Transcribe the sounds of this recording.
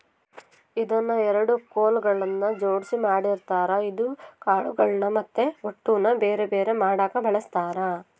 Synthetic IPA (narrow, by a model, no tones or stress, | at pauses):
id̪ɐnːɐɛɾɐɽukoːlɡɐɭɐnːɐd͡ʒoːɽisimaːɽiɾt̪aːɾɐid̪ukaːɭuɡɐɭnɐmɐt̪ːeoʈːunɐbeːɾebeːɾemaːɽaːkɐbʱɐɭɐst̪aːɾɐ